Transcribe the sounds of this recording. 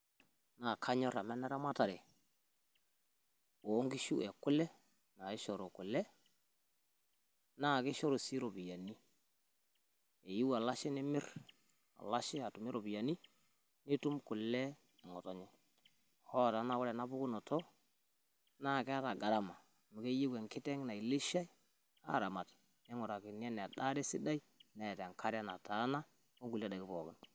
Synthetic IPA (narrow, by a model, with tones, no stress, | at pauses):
na˨kʰa˦ɲɔ˦ɾa˨mɛ˦nɛ˦ɾa˦ma˦ta˨ɾe˨ | o˨˦ŋɡi˦ʃu˦ɛ˨kʊ˦lɛ˦ | na˨e˦ʃɔ˨ɾo˨kʊ˨lɛ˦ | na˦˨ke˦ʃɔ˦ɾo˨si˦ɾo˨bi˨ja˨ni˦ | e˨ji˦wa˨la˦ʃe˦ne˦mɪ˦r | a̰˨la˦ʃe˦a˨tʊ˨mɪ˦ɾo˨bi˨ja˨ni˦ | nɪ˦tu˦mkʊ˨lɛ˦ | ɛ˨ŋɔ˨tɔ˨ɲɔ˦ | hɔ˦˨ta˨˦na˨kʊ˦lɛ˨na˦bʊ˦kʊ˦nɔ˨tʰɔ˦ | na˦˨kɛ˦a˦ta˨ɡa˨ɾa˦˨ma˨ | mu˨ke˦ji˦wɛ˨ŋkɪ˦tɛ˦ŋna˨i˨li˦ʃa˦j | a̰˦˨ɾa˨ma˨t | nɛ˦ŋɔ˨ɾa˨kɪ˨n˦a˦n˨da˦de˦sɪ˦da˦i˦nɛ˨ta˨ŋkʰa˦ɾa˦na̰˨ta˨˦na˦ | ko˦ŋɡu˨la˦da˨kɪ˦pɔ˨kɪ˦n